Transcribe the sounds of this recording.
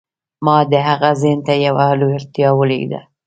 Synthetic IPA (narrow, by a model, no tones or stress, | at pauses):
mɑd̪əɦaɣazent̪ajawaloɪɾt̪jɑwəlḛɡd̪a̰